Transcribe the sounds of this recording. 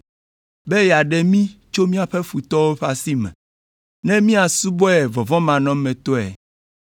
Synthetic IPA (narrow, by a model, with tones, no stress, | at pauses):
be˦ja˨ɖɛ˨mĩ˦t͡ʃo˦mĩ˦a˨ɸe˦fu˨t̪ɔ˦wo˦ɸa˨si˦mɛ̰̃˨ | nɛ̃˦mĩ˦a˨su˦bɔ˦ɛ˨vɔ˨vɔ̃˦mã˨nɔ̃˦mɛ̃˨t̪ɔ˦ɛ̰˨